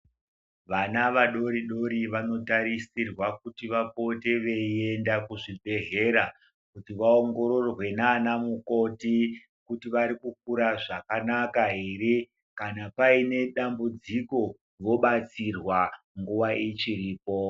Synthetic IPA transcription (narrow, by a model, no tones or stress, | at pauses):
ʋanaʋaɗo̞ɾiɗo̞ɾiʋano̞taɾisirwakutiʋapo̞teʋe̞ie̞ndakuʐibʱe̞ɦe̞ɾa | kutiʋaoŋɡo̞ɾo̞rwe̞nanamuko̞ti | kutiʋaɾikuk̚uɾaʐakanakaɦiːɾi | kanapaine̞ɗambud͡ziko̞ | ʋo̞ɓat͡sirwa | ŋɡuʋaʔit͡ʃiriːpo̞